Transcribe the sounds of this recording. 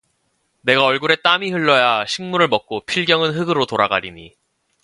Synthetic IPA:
ne̞ɡaʌɭɡuɾe̞t͈amihɯɭːʌjaɕʰiŋmuɾɯɭmʌk̚k͈opʰiɭɡjʌŋɯnɦɯɡɯɾotoɾaɡaɾiɲi

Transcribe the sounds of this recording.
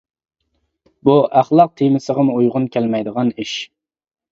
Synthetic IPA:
buʔæχlˠɑq̚t̪ʰemɪsəʁəmujʁʊnkʲʰɛlmɛjd̪əʁɑniʃ

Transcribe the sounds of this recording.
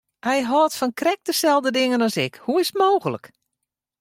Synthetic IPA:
hɛjɦɔːtfɔnkrɛk̚dəsɛlˠdədɪŋənɔsɪkhuɪsətmoːɣələ̰k

